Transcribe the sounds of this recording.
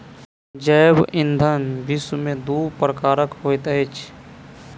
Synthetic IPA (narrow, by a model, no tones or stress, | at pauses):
d͡ʒəːbɪ̃nd̪ʱənbismẽd̪uːpɾəkaːɾəkɦoːjt̪əet͡ʃʰ